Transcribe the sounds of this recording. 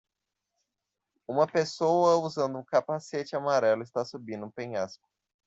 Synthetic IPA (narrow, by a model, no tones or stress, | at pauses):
ũmɐpesowɐuzɐ̃nd̪ʊũkapaset͡ʃɪamaɾɛlʊɪst̪asubĩd̪ũpẽɲaspʊ̥